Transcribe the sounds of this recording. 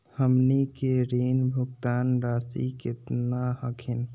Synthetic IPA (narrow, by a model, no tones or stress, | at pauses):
həmnikeɾenbʱuɡt̪anɾasḭket̪nahəkʰin